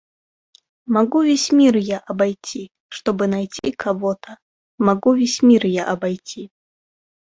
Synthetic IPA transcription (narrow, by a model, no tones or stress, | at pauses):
maɡuvʲesʲmʲirjaʔɐbajt͡sʲʰi | ʂt̪ɔbɨnajt͡sʲikʰavɔt̪ʰɐ | maɡuvʲesʲmʲirjaʔɐbajt͡sʲi